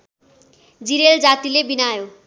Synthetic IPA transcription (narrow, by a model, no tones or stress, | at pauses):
d͡ziɾeld͡zat̪ilebinajo